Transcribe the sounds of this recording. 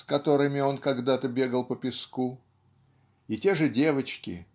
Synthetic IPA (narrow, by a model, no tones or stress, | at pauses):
skɐt̪o̞ɾɨmʲɪo̞nkɐɡd̪at̪əbʲe̞ɡəlˠpəpʲɪsku | ɪtʲe̞ʐɨdʲe̞vət͡ɕkʲɪ̰